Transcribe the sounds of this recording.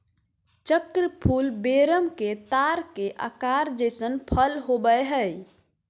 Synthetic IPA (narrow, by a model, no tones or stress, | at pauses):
t͡ʃəkɾəpʰulbeɾəmket̪aɾkeʔa̰kaɾd͡ʒəsənpʰəlɦobəɦə